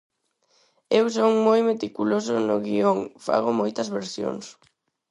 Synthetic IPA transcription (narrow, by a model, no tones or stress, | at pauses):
ewsoŋmojmet̪ikulosʊnʊɣioŋfa̰ɣʊmojt̪ɐzβeɾsjo̰ŋs